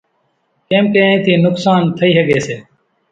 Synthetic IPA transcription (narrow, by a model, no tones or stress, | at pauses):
keːmkeːĩːt̪ʰiːnʊksaːnt̪ʰəiːɦəɠeːseː